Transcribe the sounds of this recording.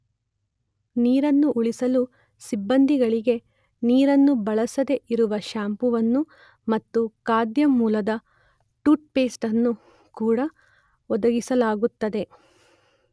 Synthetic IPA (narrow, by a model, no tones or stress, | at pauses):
niːɾɐnːuʔuɭisɐlu | sibːɐnd̪iɡɐɭiɡe̞ | niːɾɐnːubɐɭɐsɐd̪e̞ʔiɾuʋɐʃaːmpuʋɐnːu | mɐt̪ːukaːd̪jɐmuːlɐd̪ɐ | ʈuːʈ̚pe̞ːsʈɐnːu | kuːɽɐ | ɔd̪ɐɡisɐlaːɡut̪ːɐd̪e̞